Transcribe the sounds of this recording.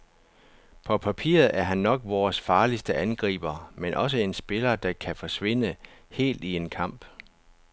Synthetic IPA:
pʰɒ̽pʰæpʰḭːɐð̞̩ˠæɐɦænːɒ̽ɡ̥ʋɒːsfɑ̈ːlisd̥əʔænɡ̥ʁḭːb̥ɐmenʔɒ̽s̬əe̝nsb̥e̝lɐd̥ɑ̈kʰæfɒ̽sʋe̝n̰əhe̝̰ːld̥ie̝nkʰɑ̈m̰b̥

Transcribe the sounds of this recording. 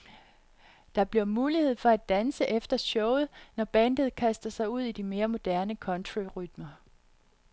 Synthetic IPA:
d̥ɑ̈b̥liɐmuːlihe̝ð̞̰ˠfɒ̽æd̥ːænsəʔefd̥ɐɕɔʊð̩ˠnɒb̥ænd̥ð̞̩ˠkʰæsd̥ɐsɑ̈ɪuð̞̰ˠid̥ime̝ːɐmo̝d̥æɐnəkʰɒ̽nt͡sʰʁuʁyd̥mɐ

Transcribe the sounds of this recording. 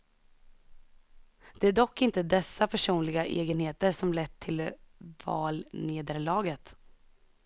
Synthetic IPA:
d̪̥ɛæɖɔkːɪnt̪əd̪ɛsːapʰæʂuːnlɪɡaʔḛːɡənheːt̪əɾʂɔmlɛt̪ʰːɪlvɑ̰ːlneːd̪əɾlɑːɡət̪

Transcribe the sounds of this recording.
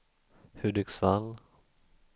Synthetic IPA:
hʉd̪ɪksvalː

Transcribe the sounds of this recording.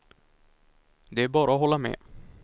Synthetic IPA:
d̪ɛæbɑːɾaoɦɔlːamḛː

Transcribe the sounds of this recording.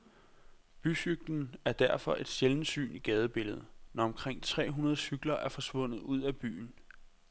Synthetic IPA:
b̥ysyɡ̥̚d̥n̩æɐd̥æɐ̰fɒ̽ʔe̝d̥seln̩sy̰ːniɡ̥ɛːð̞ˠəb̥e̝ləð̞ˠənɒɒ̽mkʰʁeŋ̰t͡sʰʁɛ̰ːɦunɐð̞̩ˠəsyɡ̥lɐʔæɐfɒ̽sʋɔ̽n̰ð̞̩ˠuð̰ˠæb̥y̰ːn̩

